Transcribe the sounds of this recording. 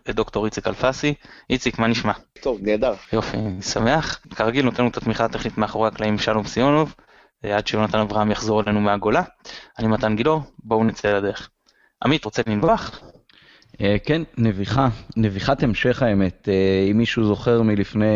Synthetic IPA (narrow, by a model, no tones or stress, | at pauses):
ed̪o̞kt̪o̞ʁit͡sikalfasiʔit͡sikmaniʃmat̪ovneːd̪aʁjo̞fḭsame̞aχkaʁaɡilno̞t̪enut̪at̪miχat̪e̞χnit̪meaχoʁaːklaimʃalo̞msio̞no̞v | ad̪ʃejonat̪anavʁahamjaχzo̞ʁele̞numeaɡo̞laanimat̪anɡilo̞ʁbounet͡seelade̞eχ | ʔa̰mit̪ʁo̞t͡seninboaχ | ekenːeviχaneviχat̪emʃe̞χaeme̞t̪eimːiʃuzo̞χeʁmilifne